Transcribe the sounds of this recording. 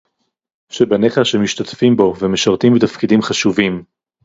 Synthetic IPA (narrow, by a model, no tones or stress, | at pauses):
ʃebaneχaʃemiʃt̪atfimbo̞vemeʃaʁt̪imbit̪afkidimχaʃuvim